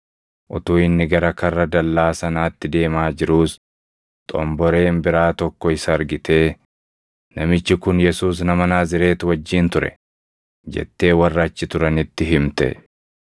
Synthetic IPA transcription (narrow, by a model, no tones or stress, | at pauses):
ʔʊt̪uːɪnːɪɡɐɾɐkɐrːɐd̪ɐlːaːsɐnaːt̪ːɪd̪e̞ːmaːd͡ʒɪɾuːs | t̪ʼɔ̰mbɔɾe̞ːmbɪɾaːt̪ɔkːɔɪsɐːɾɡɪt̪ʰe̞ː | nɐmɪt͡ʃːɪkʊnjɛsuːs̬nɐmɐnaːzɪɾe̞ːt̪ʊwɐd͡ʒːiːnt̪ʊɾɛ̰ | d͡ʒɛ̰t̪ːe̞ːwɐrːɐt͡ʃːɪt̪ʊɾɐnɪt̪ːɪɦɪmt̪ɛ̰